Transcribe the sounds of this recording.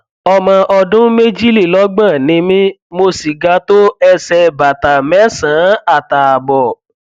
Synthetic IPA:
ɔ˧mã˧ʔɔ˧dũ˦me˦d͡ʒi˦li˦˨lɔ˨˦ɡ͡bã˦˨nĩ˨˧˦mĩ˦ | mo˧si˨ɡa˨˧˦to˦ɛ˧sɛ˧ba˨ta˨mɛ˦sã˨˦a˦˨ta˨a˨bɔ˨

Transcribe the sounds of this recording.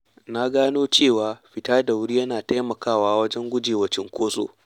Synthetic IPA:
na˦ɡaː˦noː˦t͡ʃeː˦˨waː˨ɸɪ˦taː˦da˨wɽiː˦jɐ˦naː˨ta˦jmɐ˨kaː˦˨waː˦wɐ˦d͡ʒɛ˦ŋɡʷʊ˦d͡ʒeː˨wɐ˨t͡ʃɪ˦ŋkʷoː˦so̰ː˨

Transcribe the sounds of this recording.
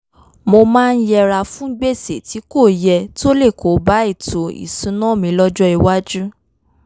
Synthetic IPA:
mo˧mãː˦˧n̩˦jɛ˧ɾa˧fũ˦ɡ͡be˦˨se˨ti˨˦ko˦˨jɛ˧to˦le˦˨kʰo˨˦ba˨˦i˦˨to˨ḭ˨sũ˨˦nɔ̃˦˨mĩ˨˧˦lɔ˦d͡ʒɔ˦i˧wa˦d͡ʒu˦

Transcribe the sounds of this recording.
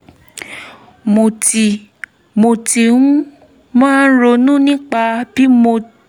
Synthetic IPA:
mo˧˨ti˨ | mo˧ti˧nũ˦ | mãː˦n̩˦ɾo˧nũ˦nĩ˦k͡pa˧b̥i˦mo˧

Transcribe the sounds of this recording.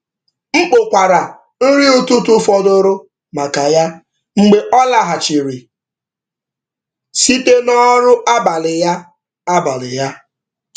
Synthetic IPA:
ŋ͡m̩˦k͡pʊ˨kʷa˨ɾa˨ | n̩˦ɾi˦u˦tu˦tu˦fɔ˦dʊ˦ɾʊ˦ | ma˨ka˨ja˦ | ŋ͡m̩˦ɡ͡be˦ʔɔ˦la˦ɦa˨t͡ʃi˨ɾi˨ | si˦te˦nɔ˦ɾʊ˦ʔa˦ba˨lɪ˨ja˦ | a˦ba˨lɪ̰˨ja˦

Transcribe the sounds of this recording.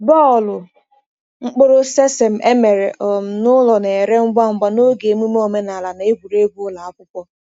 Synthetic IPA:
bɔ˦˨lʊ˨ | ŋ͡m̩˦k͡po˦ɾo˦se˦se˨m̩˨ʔe˦me˨ɾe˨ʔɔ˨m̩˨nʊ˦lɔ˨ne˨ɾe˦ŋ͡m̩˦ɡ͡ba˦ŋ͡m̩˦ɡ͡ba˦no˦ɡe˨mu˦m˦o˨me˦na˨la˨na˨e˦ɡʷu˨ɾe˦ɡʷu˦ʊ˦la˨a˦kʷʊ˦kʷɔ˦

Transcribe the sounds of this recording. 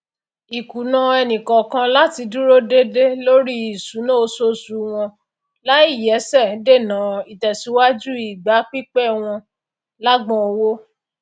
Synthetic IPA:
i˨ku˨nã˧ɛ˧nĩ˨kɔ˨kã˧la˦ti˧du˦ɾo˦de˦de˦lo˦ɾi˦i˨sũ˨˦nõ˦o˧so˦su˨˦w̃ɔ̃˧ | la˦i˦˨jɛ˨˦sɛ̃˦˨˦de˦˨nã˨˦i˨tɛ˨si˨˦wa˦d͡ʒu˦i˦˨ɡ͡ba˨˦k͡pi˦k͡pɛ˦˨w̃ɔ̃˧ | la˦ɡ͡bɔ̃˦˧o˧wo˦

